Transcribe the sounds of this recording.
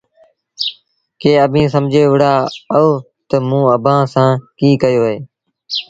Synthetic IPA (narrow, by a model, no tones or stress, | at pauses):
keːəbʱĩːsəmd͡ʒʱeːʋɪɽaːoː | t̪əmũːəbʱãːsãːkiːkəjoːɦeː